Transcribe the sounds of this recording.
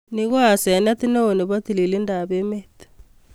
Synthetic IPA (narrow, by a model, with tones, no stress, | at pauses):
ni˦ɣo˦a˨sɛ˨n˦a˦ti˦no˦o˨ne˨βa˦ti˨li˨li˦nda˨βe˦me˦t